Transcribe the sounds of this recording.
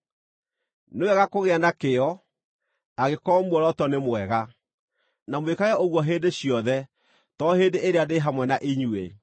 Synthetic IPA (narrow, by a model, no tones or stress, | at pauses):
newɛɣakoɣeanakeɔ | aɣekɔmwɔɾɔtɔnemwɛɣa | namwekaɣɛoɣwɔɦeːndeɕiɔðɛ | tɔɦeːndeʔeɾeadeɦamwɛnaʔiɲuḛ